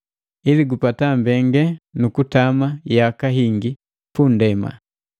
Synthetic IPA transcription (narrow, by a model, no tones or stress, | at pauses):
iliɡupatambɛŋɡɛnukutamajakaɦiŋɡi | pundɛma̰